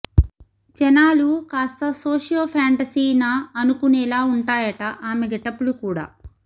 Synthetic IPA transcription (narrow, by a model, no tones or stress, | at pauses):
d͡ʒɛnaːlukaːst̪ɐsoːʂijɐːpʰaːɳʈɐsiːnaɐnukunɛlaːuɳʈaːjɐʈɐʔaːmeɡɛʈːɐpulukuːɽa̰ː